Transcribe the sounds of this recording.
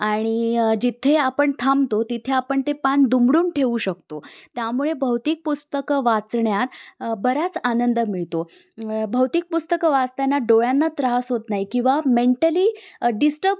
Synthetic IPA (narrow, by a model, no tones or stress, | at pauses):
aɽ̃id͡ʑit̪ʰeapəɳt̪ʰamt̪ot̪it̪ʰeapəɳt̪epand̪umɽuːnʈʰeʋuɕək̚t̪ot̪jamuɭebʱəwt̪iːk̚pust̪əkʋat͡sɳjat̪bəɾat͡sanənd̪əmiɭt̪o | bʱəwt̪iːk̚pust̪əkəʋast̪anːaɖoɭjanːat̪ɾaɦasɦot̪naɦikĩw̃ʋameɳʈəliːɖisʈəɾb